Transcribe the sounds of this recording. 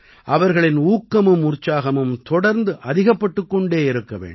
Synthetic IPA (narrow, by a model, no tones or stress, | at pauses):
ʔɐʋɐɾɣɐɭɪnuːkːɐmɯmʊɾt͡ʃaːɣɐmɯmt̪ɔɽɐɾnd̪ɯʔɐðɪɣɐpːɐʈːɯkːɔɳɖeːɪɾɯkːɐʋḛːɳɖ